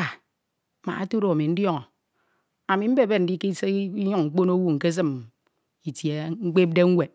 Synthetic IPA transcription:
a˨ | ma̰˨a˦to˦ɾo˨a˨mi˨n̩˦djɔ˦ŋɔ˨ | a˨mi˨m̩˦be˦˨be˦n̩˦di˦ki˦i˦ɲu˦ŋŋ͡m̩˦k͡po˦no˦wu˦ŋ̩˨ke˦s̬ɨ˦m | i˨tje˨˦ŋ̩˦k͡pe˦p̚de˦ŋ̩˦we˨

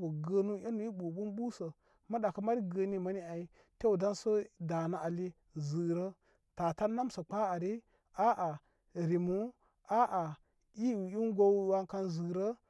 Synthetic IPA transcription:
bu˨ɡə˦nu˦a˦nu˨˦i˦ɓu˨ɓu˦nɓu˦sə˨ | ma˦ɗa˨kə˦ma˦ɾi˦ɡə˨ni˦ma˦ni˦a˨i˦ | te˦u˨da˦nsə˦da˨na˦ʔa˨li˦ | zɨ˨ɾə˦ | ta˨ta˦na˦msə˨k͡pa˦a˨ɾi˦ | a˦ʔa˨ | ɾi˨mu˦ | a˦ʔa˨ | i˦˨i˦n˦ɡo˦wa˦ŋka˦nzɨ˨ɾə˦

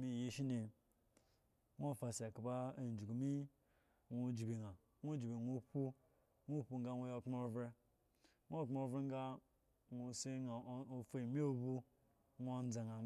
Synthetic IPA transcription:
mi˨je˦ʃi˦ne˨ | ŋʷ˦o˦˨fa˨sa˨ka˨ba˦e˨n̩˨d͡ʒu˨ɡu˨mi˦ | ŋʷu˦d͡ʒi˨be˨ŋa˨ | ŋʷo˦d͡ʒi˨be˨ŋʷu˦pu˦ | ŋʷu˦˨pu˨ŋ̩˦ɡa˦ŋʷo˦jo˦˨k͡po˦vɾe˦ | ŋʷ˦o˦˨k͡pvɾe˦ŋ˦ɡa˦ | ŋʷu˨se˦a˨o˨fe˨mi˦o˦bu˦ | ŋʷ˦o˦n˦d͡za˨ŋa˨˦

